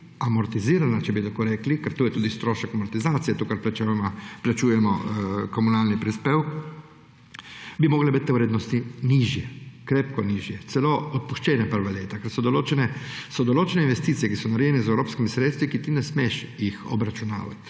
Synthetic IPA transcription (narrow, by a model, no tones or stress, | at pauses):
amɔɾt̪iziːɾanat͡ʃɛbit̪akoɾɛːklikɛɾt̪uːjɛt̪uːd̪ist̪ɾoːʃɛkamɔɾt̪izaːt̪sijɛt̪uːkaɾplat͡ʃaplat͡ʃuːjɛmɔkomunaːlnipɾispeːwk | bimoːɡlebit̪ːwɾeːd̪nɔst̪iniʒjɛkɾeːpkɔniːʒjɛt̪sɛloɔt̪̚puʃt͡ʃɛːnɛpəɾʋaleːt̪akɛɾsɔd̪oloːt͡ʃɛnɛsɔd̪oloːt͡ʃɛneinʋɛst̪iːt̪siɛkisɔnaɾjenɛzɛwɾoːpskimisɾeːt̪st̪ʋikit̪inɛsmeʃjixɔ̰bɾat͡ʃuna̰ːʋa̰t̪